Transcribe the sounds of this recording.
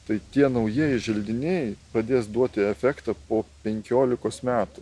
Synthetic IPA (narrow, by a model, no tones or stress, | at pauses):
t̪ɐɪt̪ʲiɛnɐʊjiɛjɪʒʲɛlʲd̪ʲɪnʲɛjpɾɐd̪ʲeːsd̪uɔt̪ʲɪɛfʲɛkt̪ɑpoːpʲɛŋʲkʲoːlʲɪkoːsmʲæːt̪ʊ